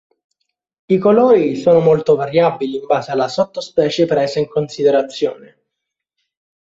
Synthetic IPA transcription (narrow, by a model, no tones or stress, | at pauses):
ikoloːɾisoːnomolt̪ovaɾjabːiliːmbaːzealasɔt̪ːospɛːt͡ʃepɾezaiŋkonsid̪eɾat̪sːjo̰ːne